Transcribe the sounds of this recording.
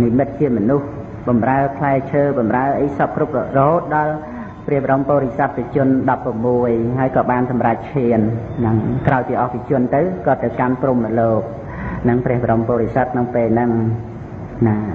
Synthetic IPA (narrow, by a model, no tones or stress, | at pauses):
nimɨt̪̚t͡ɕiəmɔnuh | ɓɑmraəpʰlaɛt͡ɕʰəːɓɑmraəʔəjsɑp̚krup̚rɔhoːt̪̚ɗɑl | prɛəhɓəɾompoːɾisat̪ːɨt͡ɕʊ̆ənɗɑpːramːuəjɦaəjkɑːɓaːnsɑmrac̚t͡ɕʰiən | nɨŋkraɔjt̪iəʔɑhpit͡ɕʊ̆ənt̪ɨwkɑːt̪ːɨwkanpruməloːk̚ | nɨŋprɛ̆əhʋəɾʔompoːɾisət̪̚ʰnɨwpeːlnɨŋ | naː